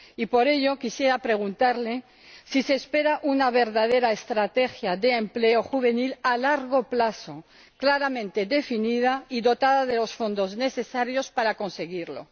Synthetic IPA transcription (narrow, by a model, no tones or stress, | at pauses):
ipo̞ɾe̞ʎo̞kisje̞ɾapɾe̞ɣ̞unt̪aɾle̞ | siseːspe̞ɾaʔunaβ̞e̞ɾðaðeɾaest̪ɾat̪e̞xjaðeːmple̞oxuβ̞e̞nilalaɾɣo̞plaso̞̰ | klaɾamẽnt̪e̞ðe̞finið̞aiðo̞t̪aðaðe̞lo̞sfo̞nd̪o̞zne̞θe̞saɾjo̞spaɾako̞nse̞ɣiɾlo̞̰